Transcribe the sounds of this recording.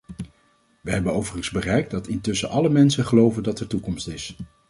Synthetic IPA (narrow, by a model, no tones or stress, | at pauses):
ʋəɦɛbənowvərəŋzbərɛjk̚dɑtɪntɵsəʔɑləmɛnsənχəlowvəndɑtɛɹtukɔmstɪs